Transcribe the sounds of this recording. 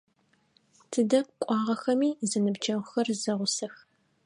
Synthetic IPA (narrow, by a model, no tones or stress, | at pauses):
tʰɨdɐp̚kʷʼɑːʁɐxɐmiːzɨnɨbd͡ʒɐʁʷʊxɐrzɐʁʷʊsɐx